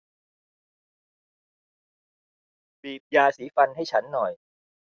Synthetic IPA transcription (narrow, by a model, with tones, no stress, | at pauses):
biː˨˩p̚jaː˧siː˩˦fa˧nɦa˥˩jt͡ɕʰa˦˥nːɔ˨˩j